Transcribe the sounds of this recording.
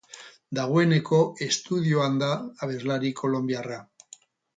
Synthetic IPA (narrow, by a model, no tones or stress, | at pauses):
d̪aɣ̞we̞ne̞ko̞e̞st̪uð̞ioand̪aːβ̞e̞zlaɾikʰo̞lo̞mbjara